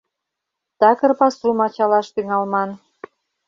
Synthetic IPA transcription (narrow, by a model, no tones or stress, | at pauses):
t̪ɑkə̆rpɑsumɑt͡ɕɑlɑʃt̪yŋɑlmɑn